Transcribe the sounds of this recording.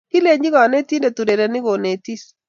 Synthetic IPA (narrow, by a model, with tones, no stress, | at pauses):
ki˦le˨ɲi˦ɣɔ˨ne˦ti˦nde˨tu˨ɾe˨ɾe˨nɪ˦ɣo˨ne˨ti˦s